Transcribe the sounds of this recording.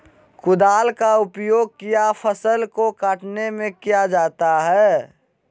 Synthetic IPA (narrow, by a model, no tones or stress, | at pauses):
kʊd̪aːlkaʊpjoːɡ̚kijapʰəsəlkokaːʈnemẽkijad͡ʒaːt̪aɦɛː